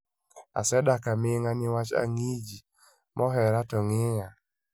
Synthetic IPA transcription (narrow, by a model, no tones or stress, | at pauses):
a̰sɛdakamɪŋanɪwat͡ʃa̰ŋid͡ʒi | mʔɔɦɛɾatɔŋɪɲa